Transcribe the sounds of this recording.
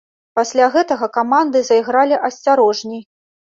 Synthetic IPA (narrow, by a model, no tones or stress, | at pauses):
pasʲlʲaɣɛt̪ɐɣɐkamand̪ɨzɐiɣɾalʲiʔɐsʲt͡sʲaɾɔʐnʲij